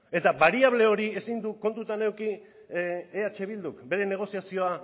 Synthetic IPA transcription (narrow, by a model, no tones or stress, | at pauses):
e̞t̪aβaɾiaβ̞le̞o̞ɾie̞sind̪uko̞nt̪ut̪ane̞wki | eat͡ʃe̞β̞ild̪ukbe̞ɾe̞ne̞ɣ̞o̞siasio̞a